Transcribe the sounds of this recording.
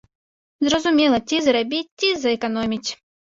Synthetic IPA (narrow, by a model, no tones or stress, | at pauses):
zɾɔzʊmʲilˠɐtʲizɾɐbʲit̪ʲːizɐɛkɔnɔmʲitʲ